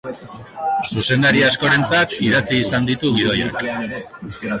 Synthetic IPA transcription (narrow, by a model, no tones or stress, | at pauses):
suse̞nd̪aɾiasko̞ɾe̞nt͡sat̪iðat͡siːsand̪it̪uɣið̞o̞ja̰k